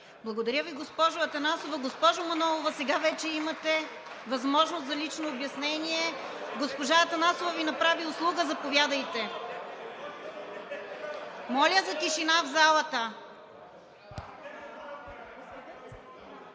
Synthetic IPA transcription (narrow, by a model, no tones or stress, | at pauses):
blˠɐɡod̪ɐɾʲəviɡospɔʒʊɐt̪ɐnasovɐɡospɔʒomɐnɔlˠovɐsɛɡavɛt͡ʃɛimɐt̪ɛ | vɐzmɔʒnost̪zɐlit͡ʃnoːbjɐsnɛnʲiɛɡospoʒaɐt̪ɐnasovɐvinɐpɾaviʊslˠuɡəzɐpovʲjad̪əjt̪ɛ | mɔlʲəzɐt̪iʃinavzalˠət̪ə